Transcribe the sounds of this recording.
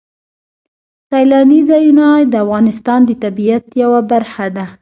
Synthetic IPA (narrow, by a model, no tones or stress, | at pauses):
sɑjlɑnizajunɑjd̪əafɣɑnɪst̪ɑnd̪ət̪abijat̪jawabaɾxad̪a